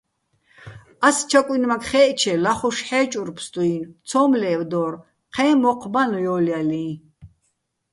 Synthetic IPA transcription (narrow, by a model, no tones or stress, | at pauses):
ast͡ʃʰakʼwinmakʰχɛːʔt͡ʃʰɛlaχɔʃħɛːt͡ʃʼuɾpʰst̪ʼuint͡sʰɔːmlɛːwd̪ɔɾ | qʰɛːmɔqʰbanjɔːljalĩː